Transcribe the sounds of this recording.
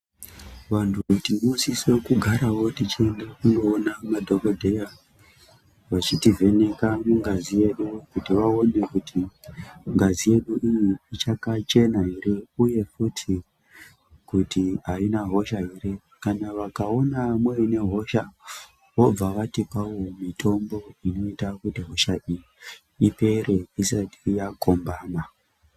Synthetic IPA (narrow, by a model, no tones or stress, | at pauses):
ʋantʰuutinuusisekuɡʱaɾawo̞tit͡ʃendekunɡo̞ːnamadʱo̞kodʱe̞ja | ʋat͡ʃitive̞ne̞kamuŋɡazije̞ɗukutiʋao̞ne̞kutʰi | ŋɡazije̞ɗuʔijiit͡ʃakat͡ʃe̞naɦiɾeuje̞futʰi | kutiɦainaɦo̞ʃaɦire | kanaʋakao̞namweine̞ɦo̞ʃa | ʋo̞b͡vaʋatipawomitʰo̞mbo̞ino̞itakutiɦo̞ʃaiji | ipe̞reisatijakombaːma